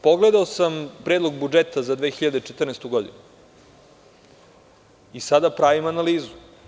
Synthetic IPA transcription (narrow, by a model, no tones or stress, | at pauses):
poɡled̪aosampɾeːd̪lo̞ɡbud͡ʒet̪azad̪ʋexiʎad̪et͡ʃet̪rnest̪uɡo̞d̪ḭnu | isad̪apɾaːʋimanaliːzu